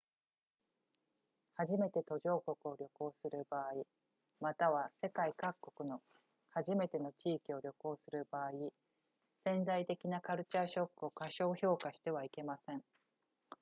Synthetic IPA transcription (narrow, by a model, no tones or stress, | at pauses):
haʑime̞t̪e̞t̪o̞ʑo̞ːko̞kɯ̟o̞ɾʲo̞ko̞ːsɨɾɯ̟baːi | mat̪aβ̞ase̞kaikakːo̞kɯ̟no̞ | haʑime̞t̪e̞no̞t͡ɕiːkʲio̞ɾʲo̞ko̞ːsɨɾɯ̟baːi | sẽ̞nd͡zait̪e̞kʲinakaɾɯ̟t͡ɕaːɕo̞kːɯ̟o̞kaɕo̞ːço̞ːkaɕi̥t̪e̞β̞aike̞masẽ̞ŋ